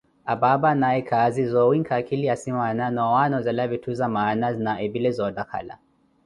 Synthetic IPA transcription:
ababanaɛkʰazizɔwiŋkʰakiliasimananɔwanɔzalaβitʰuzamaːnaznaɛbilɛzɔdakʰa̰la̰

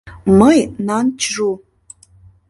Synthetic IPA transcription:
məjnant͡ʃʰʐu

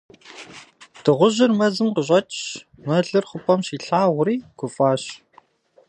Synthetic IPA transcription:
d̥ɨʁʷʊʑɪrmɐzɨmqəɕ̬ʼɐt͡ʃɕ | mɐɮɨrχʷʊpʼɐmɕiːɬaːʁʷʊɾiːɡ̥ʷʊfʼaːɕ

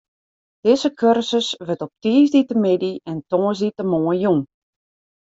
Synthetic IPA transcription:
d̥ɪzəkʰørsəsʋətɔp̚tiːzditəmɪdiɛntɔːzditəmoːəjjuŋ

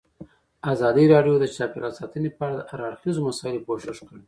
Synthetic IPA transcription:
azɑd̪iɾɑɖjod̪ət͡ʃɑpeɾasɑt̪ənepəaɽad̪əʔaɾaɽxizomasɑɪlokoʃɪʃkəɽe

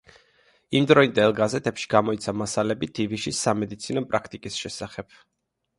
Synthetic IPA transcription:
imd̪ɾɔind̪ɛlˠɡazɛt̪ʰɛpʃi̥ɡamɔit̪sʰamasalɛbid̪̥ʰiviʃisːamɛd̪it̪sʰinɔpʼɾakʰt̪ʼikʼisʃɛsaχɛb̥̚

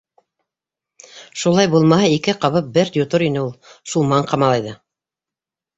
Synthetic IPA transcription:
ʃulˠɑjbulˠmɑhɑikɘqɑβɤp̚bɘɾd̪ʲut̪oɾinɘulˠʃulˠmɑɴqɑmɑlˠɑjðɤ

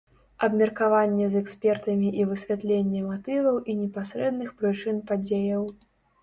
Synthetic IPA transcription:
ɐbmʲɛrkavanʲːɛzɛksʲpʲɛrt̪ɐmʲiʔivɨsʲvʲat̪lʲenʲːɛmat̪ɨvɐwʔinʲɛpasʲɾɛd̪nɨxpɾɨt͡ʂɨnpad͡zʲejɐw

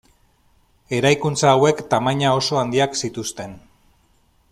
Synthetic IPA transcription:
e̞ɾajkunt͡saːwe̞kt̪amaɲao̞so̞and̪iaksit̪ust̪e̞n

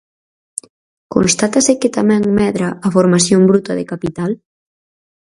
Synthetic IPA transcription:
ko̰nst̪at̪aseket̪amɛ̃ŋmɛðɾaːfoɾmasjombɾut̪ɐðekapit̪al

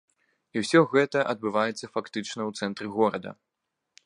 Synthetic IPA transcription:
iwsʲɔɣɛt̪ɐʔɐd̪̚bɨvajɛt̪sːɐfakt̪ɨt͡ʂnɐwt̪sɛnt̪ɾɨɣɔɾɐd̪ɐ̰

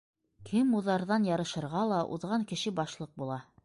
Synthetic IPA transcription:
kʰɘmuðɑɾðɑnjɑɾɤ̆ʃɤ̆ɾʁɑlˠɑʔṵðʁɑŋkɘ̆ʃɘbɑʃlˠɤq̚bulˠɑ

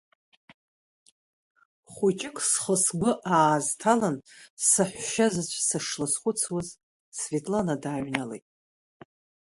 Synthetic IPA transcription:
χʷut͡ʃʼɪkʼsχəsɡʷʊʔaːztʰalansɨħʷᶣʃazɨt͡ʃʷʰsɨʂlɨsχʷʊt͡sʰwaz | svetʼlanadaːɥnalḛjtʼ

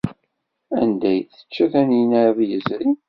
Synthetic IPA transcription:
ænd̪æjθə̥t͡ʃːæθænjənəɾðjəzɾi

